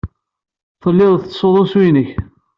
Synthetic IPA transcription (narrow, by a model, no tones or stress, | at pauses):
θəlːɪðˤθsoðˤʊswinəç